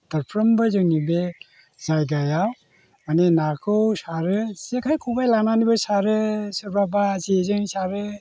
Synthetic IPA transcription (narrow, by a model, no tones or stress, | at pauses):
d̥aɾpʰɾɔmbɯzɯnibe | zajɡajaw | manenakʰɯwsaɾɯsekʰajkʰubajlananibɯsaɾɯsɯɾbabazizɯŋsaɾɯ